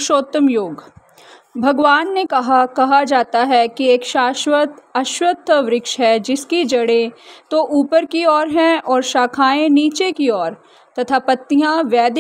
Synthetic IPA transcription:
ʃoːt̪ːəmjoːɡ | bʱɐɡʋaːnːekɐɦakɐɦad͡ʒaːt̪aɦɛkieːkʃaːʃwət̪ɐʃwət̪ʰːəʋɾɪkʃɦɛd͡ʒɪskid͡ʒɐɽẽt̪oʔuːpəɾkiɔːɾɦɛ̃ɔːɾʃaːkʰaːẽniːt͡ʃekiɔːɾ | t̪ɐt̪ʰapɐt̪ːijãʋɛːd̪

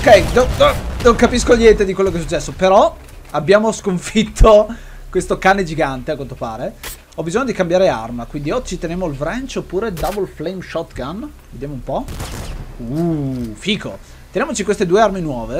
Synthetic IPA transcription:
okːɛjnonoŋkapiskoʎjɛnt̪ed̪ikwelːokeɛs̬ut͡ʃːɛsːopeɾɔ | abjaːmoskoɱfit̪ʰːo | kwest̪okaːned͡ʒiɡant̪eakwant̪opaːɾe | ɔbːizoɲːod̪ikambjaːɾea̰rmakwind̪iɔd͡ʒːit̪enjamoilvɾant͡ʃopːuːɾed̪avolflejmʃɔt̪ːɡan | ved̪jamoumpɔ | ufiːko̰ | t̪enjamot͡ʃikwest̪ed̪uːearminwɔːve

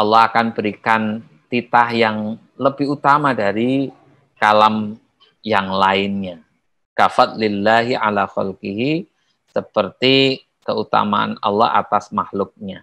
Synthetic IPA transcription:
ʔɑlːɔhakanbəɾikan | t̪it̪ahjaŋ | ləbɪhut̪amadaɾi | kalam | jaŋlaɪnɲa | kafat̪̚lɪlːaɦiʕa̰laxa̰lqiɦi | səpərt̪i | kəut̪a̰ma̰ʔa̰nɑ̰lːɑ̰ha̰t̪asmahlʊk̚ɲa

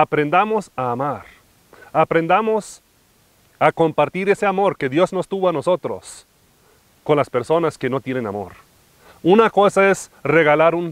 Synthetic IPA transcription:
apɾend̪amo̞saːmaɾ | apɾe̞nd̪amo̞s | ako̞mpaɾt̪iɾe̞se̞amo̞ɾkeðjo̞zno̞st̪uβoano̞so̞t̪ɾo̰s | ko̞nlaspe̞ɾso̞naske̞no̞t̪je̞nenamo̞̰ɾ | unako̞sae̞sre̞ɣalaɾun

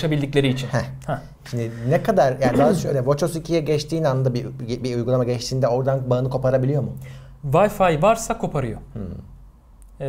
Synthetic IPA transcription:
ʃabilʲd̪iclʲe̞ɾiːt͡ʃʰinhɛhɛ | ʃimd̪ɪnɛkʰad̪aɾjad̪aɦʃøjlʲɛvot͡ʃosicʰijɛɟɛt͡ʃt̪ʰiːnanɯnd̪abibiujɡulˠamaɟɛt͡ʃt̪ʰiːnd̪ɛo̞ɾd̪anbaɯnɯkʰo̞paɾabilʲijo̞mʊ | vajfajvaɾsakʰo̞pʰaɾɯjo̰h̩

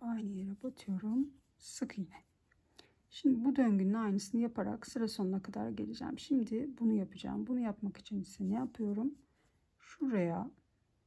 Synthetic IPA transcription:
ajnɯjeɾɛbat̪ʰɯjo̞ɾum | sɯkʰjinɛ | ʃimd̪ibud̪øɲɟynːɛajnɯsɯnɯjapʰaɾa̰ksɯɾaso̞nunakʰad̪a̰ɾɟe̞̰lʲid͡ʒæ̰mʃimd̪ɪbunujapɯd͡ʒa̰ːmbunujapmaki̥t͡ʃʰinisinːɛjapʰɯjo̞ɾum | ʃuɾaja

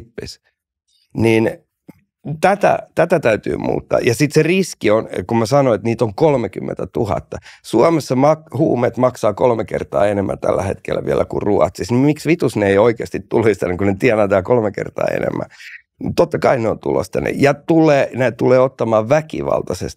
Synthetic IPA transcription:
pːḛs | nin | t̪æt̪æ̰t̪æt̪æt̪æyt̪y̰ːmṵːt̪ːɑ̰ːjɑsit̪seriskionkumæsɑnoet̪niːt̪oŋkolmekymːḛnt̪æt̪uhɑ̰t̪ːɑsuɑmesːɑmɑkhuːmet̪mɑksɑːkolmekḛrt̪ɑ̰ːenemːæ̰t̪ælːæhet̪kelːæʋiælːækṵruɑ̰t̪sisnimiksʋit̪usneeioikeɑst̪it̪t̪ulhist̪ɑnekunet̪iænæt̪æːkolmekḛrt̪ɑ̰ːḛnḛmːæ̰ | t̪ot̪ːɑkɑineont̪ṵlo̰st̪ɑnḛjɑt̪ulˑeːnet̪uleːot̪ːɑmɑːʋʋækḭʋɑ̰lt̪ɑsḛst̪

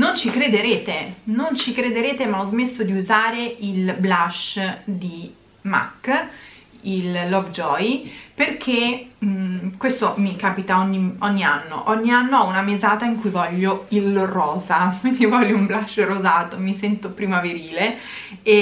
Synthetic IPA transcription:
nont͡ʃikɾed̪eɾeːt̪enont͡ʃikɾed̪eɾeːt̪emaɔzmesːod̪iuzaːɾeilblaʃd̪i | ma̰kː | ilːɔɡd͡ʒɔjperk̟ʰe | kwest̪omikaːpit̪aɔɲːiɔɲːia̰nːo̰ʔɔɲːianːoaunamezaːt̪aiŋkujvɔʎːoilrɔːzakwind̪ivɔʎːoumblaʃrozaːt̪omisɛnt̪opɾiːmaveɾiːle | e

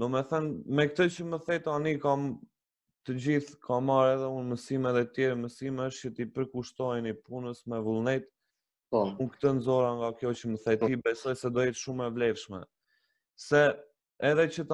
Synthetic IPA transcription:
d̪ɔmɛθənmɛkt̪ət͡ɕəməθɛt̪anikam | t̪əd͡ʑiθkʰamaɾɛðɛunməsimɛðɛt̪jɛɾəməsimɛəʃt͡ʃət̪ipəɾkuʃt̪ɔjnipunəsmɛvulˠnɛt̪ | unkt̪ənzɔɾaŋɡakjɔt͡ɕəməθɛt̪ibɛsɔjsɛd̪ɔjɛt̪ʃumɛvlɛvʃmɛ̰ | sɛː | ðɛt͡ɕət̪

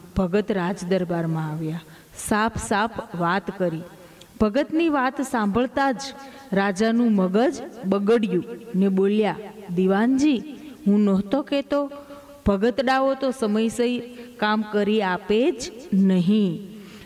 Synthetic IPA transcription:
b̥ʱəɡət̪ɾad͡ʒd̪əɾbaɾmãaʋja | sapʰsapʰʋat̪kəɾi | b̥ʱəɡət̪niʋat̪sãmbʱəɭt̪ad͡ʒ | ɾad͡ʒanũməɡəd͡ʒɓəɡəɽjũneɓoljad̪iʋand͡ʒiɦũnɔɦt̪oket̪o | b̥ʱəɡət̪ɖaʋot̪osəməjsəikamkəɾiaped͡ʒnəɦĩ

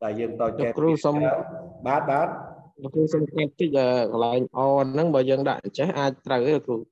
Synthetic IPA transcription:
ɗaɛjəːŋaːlokruːsɑmɓaːt̪̚ɓaːt̪̚lʊkruːsɑmkat̪ːɨc̚ʔəːkəlaɛŋʔɑːnɨŋɓaːjəːŋɗa̰ʔɲt͡ɕɛhʔaːc̚t̪rəwəkruː

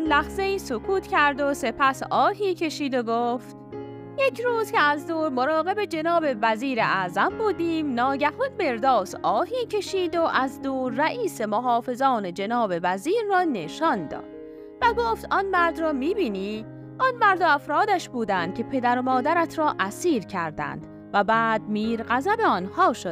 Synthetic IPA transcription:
nlæhze̞iːsokʰuːt̪cʰæɾd̪ose̞pʰæsɒːɦiːcʰe̞ʃiːd̪oɡoːft̪ | jecʰɾuːzcʰeæzd̪uːɾmoɾɒːɣe̞be̞d͡ʒe̞nɒːbe̞væziːɾeʔæʔzæmbuːd̪iːmnɒːɟæhunme̞ɾd̪ɒːsʔɒːhiːcʰe̞ʃiːd̪oʔæzd̪uːɾːæʔiːse̞moɦɒːfe̞zɒːne̞d͡ʒe̞nɒːbe̞væziːɾːɒːne̞ʃɒnd̪ɒ̰ːd̪̥ | væɡoːft̪ɒnmæɾd̪rɒːmiːbiːniː | ʔɒnmæɾd̪oæfɾɒːd̪æʃbuːd̪ænd̪̚cʲʰe̞pʰe̞d̪æɾomɒːd̪æɾæt̪ʰɾɒːʔæsiːɾcʰæɾd̪æ̰nd̪̥ | væbæːd̪̚miːɾɢæzæbeɒnhɒːʃod̥̪

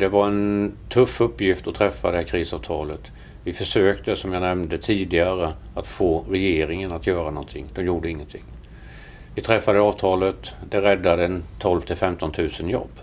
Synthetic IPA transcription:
d̪ɛvaɾɛnt̪ʰɵfːɵpːjɪft̪ɔt̪ʰɾɛfːad̪ɛhækʰɾiːsɑːvt̪ʰɑːlət̪ | vɪfœʂøːkt̪əsɔmjanɛmnd̪ət̪ʰiːd̪ɪaɾə | at̪foːɾɛjeːɾɪŋənat̪jœːɾanɔnt̪ʰɪ̰ŋːd̪̥ɔmjuːɖəɪŋːənt̪ʰɪ̰ŋː | vɪt̪ʰɾɛfːad̪əɑːvt̪ʰɑːlət̪d̪ɛɾɛd̪ːad̪əɛnt̪ʰɔlvt̪ʰɪlfɛmt̪ɔnt̪ʰʉ̟ːsənjɔ̰bː

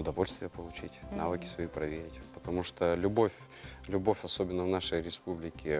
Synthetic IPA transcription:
ʊd̪ɐvo̞lʲst̪vʲɪjəpəlˠʊt͡ɕitʲna̰vɨkʲɪ̥svɐipɾɐvʲeɾʲɪtʲpə̥t̪ɐmuʂt̪olʲʊbofʲ | lʲʊbofʲɐsobʲɪnːəvnaʂəjɾʲɪspublʲɪkʲɪ

